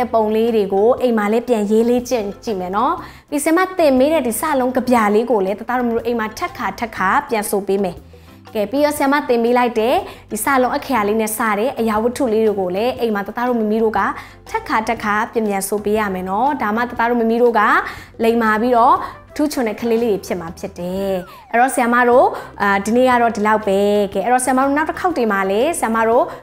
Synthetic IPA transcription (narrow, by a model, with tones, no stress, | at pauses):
ɛ˦˨põ˨ʊ̃le˦de˨ɡo˨ʔẽ˨ma˨lɛ˨˦pjã˨je˦le˦t͡ɕɪ̰̃˦˨t͡ɕḭ˦˨mɛ˨nɔ˦ | pi˦˨sɪja˨ma˦˨t̪ɪ̃˨mpe˦ɾɛ˦˨di˨sa̰˦˨lõ˦ʊ̃ŋɡə˨bja˨le˦ɡo˨lɛ˨˦t̪ə˦t̪a˦ɾo˦˨m˦o˦˨ʔẽ˨ɪ̃˨ma˨tʰɛ˦ʔkʰa˨tʰɛ˦kʰːa˨pjã˨nsʰo˨pe˦mɛ˨ | kɛ˨pi˦˨jɔ˦˨sja˨ma̰˦˨t̪ɪ̃˨mpe˦la˦ɪtɛ˦˨d̥i˨sa̰˦˨lõ˦ʔə˦˨kʰɛ˨ja˨le˦nɛ˦˨sa˦˨ɾɛ˦˨ʔəja˨wə˦tʰṵ˦˨le˦ɾe˨ɡo˨lɛ˨˦ʔẽ˨ma˨t̪ə˦˨t̪a˦˨ɾo̰˦˨mə˦mi˦ɾo̰˦˨ɡa̰˦˨ | tʰɛ˦ʔkʰa˨tʰɛ˦kʰa˨pjã˨mbjã˨nso˨pe˦ja̰˦˨mɛ˨nɔ˦da˨ma̰˦˨t̪ə˦t̪a˦ɹo˦˨mə˨mi˦ɾo˦˨ɡa˦˨lẽ˨ɪ̃ma˨pi˦ɾɔ˦˨ətʰu˦t͡ɕʰʊ̃˨nɛ̰˦˨kʰəle˦le˦ɾe˨pʰjɪ˦ʔma˨pʰjɪ˦tːɛ˨ | ʔɛ˦ɹɔ˨seja˨ma̰˦˨ɾo˦˨di˨nḛ˦˨ɡa̰˦˨ɹɔ˦˨di˨la˦ʊpːɛ˦ɡɛ˦˨ʔɛ˦ɹɔ˦˨sɪja˨ma˦˨o˦˨na˦ʊtə˦kʰa˦ʊtːe˨ma˨lɛ˦seja˨ma̰˦˨ɹo˦˨